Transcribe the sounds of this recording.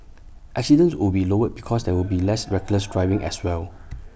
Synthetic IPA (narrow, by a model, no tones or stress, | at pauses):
ʔɛk̚sidə̃nswɪlbilowət̚bikʰɔsdɛwilbilɛsɹɛɡləsdɹajvɪ̃ŋʔɛ̰swɛl